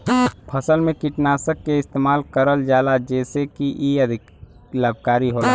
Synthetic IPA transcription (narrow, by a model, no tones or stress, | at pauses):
pʰɐsəlmẽkɪʈnaːsəkːeɪst̪eːmaːlkəɾəld͡ʒaːlad͡ʒɛːsekiʔiɐd̪ʱɪ | laːb̚ʱkaːɾiɦoːla